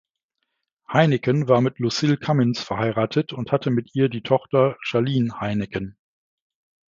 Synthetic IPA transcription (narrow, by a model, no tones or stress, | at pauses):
haɪnɪkənvaːɐmɪtʰlusɪlkʰamɪnsfɛɐhaɪʁaːtʰətʊnthatʰəmɪtʔiːɐdiːtʰɔχtɐʃaɐliːnhaɪnɪkən